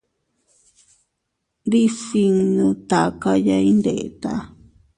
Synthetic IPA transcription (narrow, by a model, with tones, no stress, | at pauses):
d̪i˦si˧ŋnũ˧t̪a˨ka˧ja˧i˦nd̪e˨ʔe˨t̪a̰˧